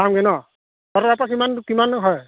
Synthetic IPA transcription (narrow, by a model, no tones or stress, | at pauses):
amɡɛnɔ | tɔɾaap̬ak̬imankimanɦɔj